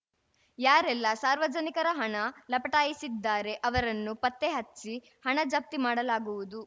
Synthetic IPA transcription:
jaːɾɛlːɐsaːɾʋɐd͡ʒɐnikɐɾɐɦɐɳɐlɐpɐʈaːjisid̪ːaːɾe̞ʔɐʋɐɾɐnːupɐt̪ːeɦɐt͡ʃːsi | hɐɳɐd͡ʒɐp̚t̪imaːɽɐlaːɡuʋud̪u

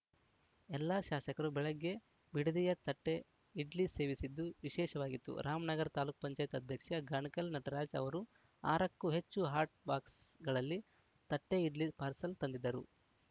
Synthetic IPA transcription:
ɛlːaːʃaːʃɐkɐɾubɛɭɐɡːe̞ | biɽid̪ijɐt̪ɐʈːe̞ | iɖlisse̞ːʋisid̪ːuʋiʃɛːʃɐʋaːɡit̪ːṵɾaːmɐnɐɡɐɾt̪aːluːk̚pɐɲt͡ʃaːjɐt̪ɐd̪ʱjɐkʂɐɡaːɳkɐlnɐʈɐɾaːd͡ʒɐ̰ʋɐɾu | a̰ːɾɐkːuɦe̞t͡ʃːuɦaːɾʈ̚baːksɡɐɭɐlːi | t̪ɐʈːe̞iɖlispaːɾsɐlt̪ɐnd̪id̪ːɐɾṵ

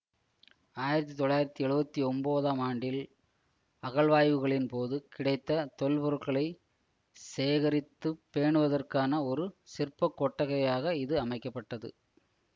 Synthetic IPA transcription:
aːjɪɾɐt̪ːit̪ɔɭːaːjɪɾɐt̪ːiɛɻɯbɐt̪ːiɔmboːðaːmaːɳɖɪl | ɐɣɐɭʋaːjʋɯɣɐɭɪnpoːðɯkɪɽɐɪt̪ːɐt̪ɔlpɔɾɯʈkɐɭɐɪ | seːɣɐɾɪt̪ːɯpːeːɳɯʋɐðɐrkaːnɐɔɾɯsɪrpːɐkːɔʈːɐɣɐjaːɣɐɪðɯɐmɐɪkːɐpːɐʈːɐðɯ̰

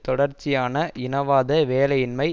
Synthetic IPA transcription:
t̪ɔɽɐɾt͡ʃːɪjaːnɐʔɪnɐʋaːðɐʋeːlɐjɪnmɐɪ

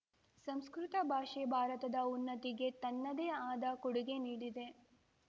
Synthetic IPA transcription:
sɐmskɾut̪ɐbʱaːʂebʱaːɾɐt̪ɐd̪ɐunːɐt̪iɡe̞t̪ɐnːɐd̪eːaːd̪ɐkoɽuɡeniːɽid̪e̞

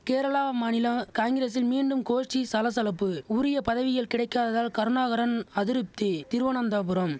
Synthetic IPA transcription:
keːɾɐɭaːmɐnɪlɐkaːŋɡɪɾeːs̬ɪlmiːɳɖɯmkoːʂʈisɐlɐs̬ɐlɐpːɯuːɾɪjɐpɐðɐʋɪjɐlkɪɽɐɪkːaːðɐðaːlkɐɾɯnaːɣɐɾɐnɐðɪɾɯp̚t̪ɯt̪ɪɾɯʋɐnɐnd̪aːpɯɾɐm

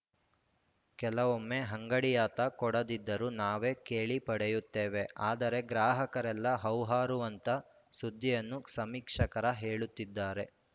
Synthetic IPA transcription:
kɛlɐʋomːeɦɐŋɡɐɽijaːt̪ɐkɔɽɐd̪id̪ːɐɾunaːʋe̞ːkeːɭipɐɽejut̪ːeːʋe̞ʔaːd̪ɐɾe̞ɡɾaːɦɐkɐɾɛlːɐɦɐwɦaːɾuʋɐnt̪ɐ | sud̪ʱːijɐnːusɐmiːkʂɐkɐɾɐɦeːɭut̪ːid̪ːaːɾe̞

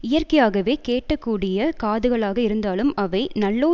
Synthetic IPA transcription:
ɪjɐrkɐjaːɣɐʋeːkeːʈːɐkːuːɽɪjɐkaːðɯɣɐɭaːɣɐɪɾɯnd̪aːlɯmɐʋɐɪnɐɭːoː

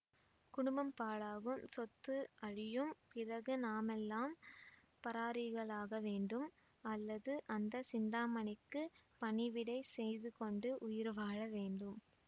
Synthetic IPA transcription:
kʊɽʊmbɐmpaːɭaːɣɯmsɔt̪ːɯʔɐɻɪjɯmpɪrɐɣɯnaːmɛlːaːm | pɐɾaːɾɪɣɐɭaːɣɐʋeːɳɖɯm | ɐlːɐðɯʔɐnd̪ɐsɪnd̪aːmɐnɪkːɯpɐɳɪʋɪɽɐɪsɛjðɯkɔɳɖɯʔʊjɪɾʋaːɻɐʋeːɳɖɯm

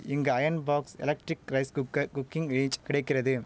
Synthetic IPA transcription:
ɪŋɡɐɐjɐnbaːksɛ̰lɐk̚ʈɾɪkɾɐɪskkːɐkʊkːɪŋeːɲt͡ʃkɪɽɐɪkːɪrɐðɯ

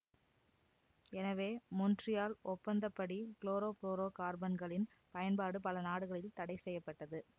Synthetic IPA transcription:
ɛnɐʋeːmɔndrɪjaːlʔɔpːɐnd̪ɐpːɐɽikɭoːɾoːkloːɾoːkaːɾbɐnɡɐɭɪn | pɐjɐnpaːɽɯpɐlɐnaːɽɯɣɐɭɪlt̪ɐɽɐɪsɛjːɐpːɐʈːɐðɯ

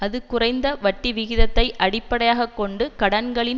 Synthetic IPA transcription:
ɐðɯkʊrɐɪnd̪ɐʋɐʈːiʋɪɣɪðɐt̪ːɐɪʔɐɽɪpːɐɽɐjaːɣɐkːɔɳɖɯkɐɽɐnɡɐɭɪn

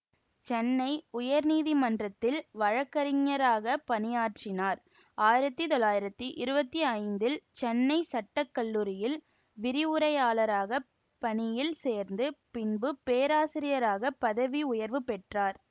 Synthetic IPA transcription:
t͡ʃɛnːɐɪʊjɐɾniːðimɐndrɐt̪ːɪlʋɐɻɐkːɐɾɪŋːɐɾaːɣɐpɐnɪjaːʈrɪnaːɾ | aːjɪɾɐt̪ːɯt̪ɔlːaːjɪɾɐt̪ːɯʔɪɾɯbɐt̪ːiɐɪnd̪ɪlt͡ʃɛnːɐɪsɐʈːɐkːɐɭːuːɾɪjɪl | ʋɪɾɪʊɾɐjaːlɐɾaːɣɐ | pɐnɪjɪlseːɾnd̪ɯpɪnbɯpeːɾaːsɪɾɪjɐɾaːɣɐpɐðɐʋiʊjɐɾʋɯpɛʈraːɾ

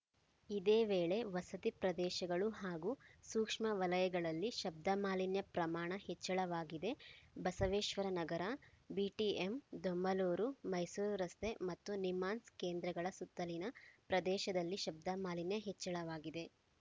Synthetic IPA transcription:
id̪eːʋeːɭe̞ʋɐsɐt̪ipɾɐd̪ɛːʃɐɡɐɭuɦaːɡuːsuːkʂmɐʋɐlɐjɐɡɐɭɐlːiʃɐb̚d̪ɐmaːlinjɐpɾɐmaːɳɐhet͡ʃːɐɭɐʋaːɡid̪e̞bɐsɐʋeːʃʋɐɾɐnɐɡɐɾɐbiːʈiemd̪omːɐloːɾumɐjsuːɾɾɐst̪ʰe̞mɐt̪ːunimaːnskeːnd̪ɾɐɡɐɭɐsut̪ːɐlinɐpɾɐd̪ɛːʃɐd̪ɐlːiʃɐb̚d̪amaːlinjɐɦet͡ʃːɐɭɐʋaːɡid̪e̞

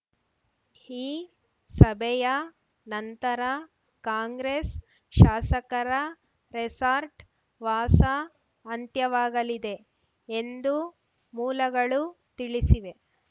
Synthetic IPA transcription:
iː | sɐbʱɛjɐ | nɐnt̪ɐɾɐ | kaːŋɡɾes | ʃaːsɐkɐɾɐ | ɾesaːɾʈ | ʋaːsɐː | nt̪jɐʋaːɡɐlid̪e̞ | end̪u | muːlɐɡɐɭut̪iɭisiʋe̞

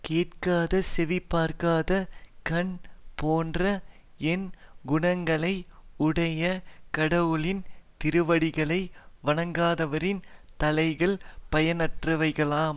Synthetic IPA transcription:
keːʈkaːðɐsɛʋɪpːaːɾkaːðɐkɐɳpoːndrɐ | ɛnɡʊɳɐŋɡɐɭɐɪʊɽɐjɐkɐɽɐʋɯɭɪnt̪ɪɾɯʋɐɽɪɣɐɭɐɪʋɐɳɐŋɡaːðɐʋɐɾɪnt̪ɐlɐɪɣɐɭpɐjɐnɐʈrɐʋɐɪɣɐɭaːm

